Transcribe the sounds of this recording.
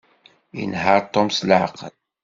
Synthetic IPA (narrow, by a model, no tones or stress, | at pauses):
jə̰nhəɾˤt̪ˤomslʕ̰qə̰l